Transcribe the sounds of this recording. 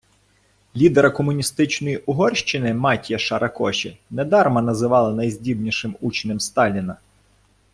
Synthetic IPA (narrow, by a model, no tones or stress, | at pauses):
lʲid̪eɾɐkɔmʊnʲist̪ɪt͡ʃnɔjiʔʊɦɔrʲʃt͡ʃɪnɪmɑtʲjɐʃɐɾʔɐkɔʃʲinɛd̪ɑrmɐnɐzɪʋɑlˠɐnɐjzʲdʲibnʲiʃɪmut͡ʃɪnemst̪ɑlʲinɐ